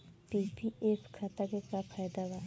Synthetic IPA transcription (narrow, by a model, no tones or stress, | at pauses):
pipieskʰat̪akekapʰajd̪aɡa